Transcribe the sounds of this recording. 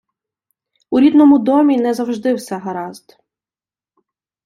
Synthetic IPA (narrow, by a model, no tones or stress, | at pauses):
uɾʲid̪nɔmʊd̪ɔmʲinɛzɐwʒd̪ɪwsɛɦɐɾɑzd̪